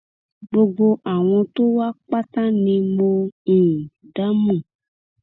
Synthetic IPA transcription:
ɡ͡bo˦ɡ͡bo˦ʔa˨w̃ɔ̃˧t̪o˦wa˦k͡pa˦t̪ã˦nĩ˧mõ˦˨ | ɖa˦mũ˦˨

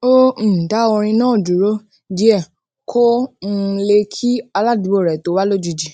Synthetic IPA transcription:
o˦n̩˨ta˨˦o˧ɾ̃ĩ˧nãː˦˨d͡ʒu˨ɾo˦ | d͡ʒi˨˦ɛ˦˨ | kʰo˦n̩˦˧le˧kʰi˦a˧la˦˨di˨bo˦˨ɾɛ˨to˨˦wa˦lo˦d͡ʒi˨˧d͡ʒi˨

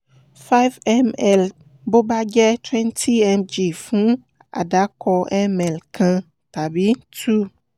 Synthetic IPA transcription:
fa˦jvɛ˦mɛ˨l | bo˦ba˦d͡ʒɛ˦t̪wɛ̃˦ntʰi˦ɛ˦md͡ʒi˨fũ˦ | a̰˨ɖa˨˦kʰɔ˦ɛ˦mɛ˨lkʰã˦ | t̪a˨bi˦t̪ʰu˦

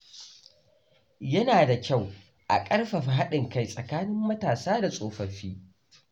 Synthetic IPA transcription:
jɐ˦naː˨da˨kʲa˦˨w | ʔa̰˨kʼɐ˦rɸa˨ɸɦa˦ɗɪ˨ŋka˦jsʼɐ˨kaː˦nɪ˦mːɐ˦taː˨saː˦da˨sʼoː˨ɸɐ˨ɸiː˦

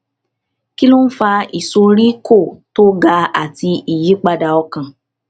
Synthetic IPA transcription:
ki˦lũ˦n̩˦fa˧i˨so˧ɾi˦ko˦˨to˦ɡa˧a̰˦˨ti˧i˨ji˨˦k͡pa˧da˧ɔ˧kã˨

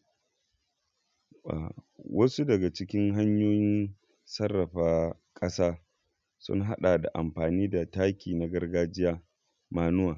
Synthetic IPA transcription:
a̰˨wʔɐ˦su˦dɐ˨ɡa˨t͡ʃɪ˦kʲɪ˦ŋɦa˦ɲjoː˦jɪ˦n | sɐ˦rːɐ˨ɸaː˦ | kʼɐ˦saː˦ | sʊ̰˦ŋɦa˦ɗaː˨da̰˨ʔa˨mɸaː˨niː˦da˨taː˦kʲiː˨na˨ɡɐ˦rɡaː˦d͡ʒɪ˦jaː˦ | maː˦nʊ˦waː˨

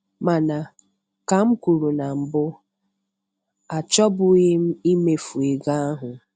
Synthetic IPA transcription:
ma˨na˨ | ka˨m̩˦kʷu˨ɾu˨na˨m̩˨bʊ˦ | a˨t͡ʃɔ˦bʊ˨ɣɪ˦m̩˦i˦me˨fu˨e˨ɡa˦a˦ɦʊ˨

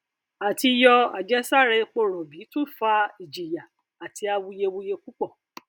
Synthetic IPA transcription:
a˨ti˧jɔ˧a̰˨d͡ʒɛ˨˦sa˦˨ɾɛ˧k͡po˦˨ɾɔ̃˨bi˨˦tũ˦˨fa˧i˨d͡ʒi˨ja˨ | a˨ti˧˦a˧wu˧je˧wu˧je˧ku˦k͡pɔ˦˨

